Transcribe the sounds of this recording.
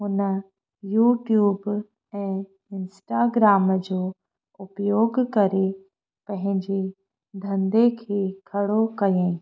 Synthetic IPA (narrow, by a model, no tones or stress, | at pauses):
ɦʊnə | juːʈjuːb | ɛ̃ː | ɪnsʈaːɡɾaːməd͡ʑoː | ʊpjoːɡkɐɾe | pɐ̃ɦɪ̃ɲd͡ʑe | d̪ʱɐ̃nd̪ekʰeːkʰɐɽokɐjẽ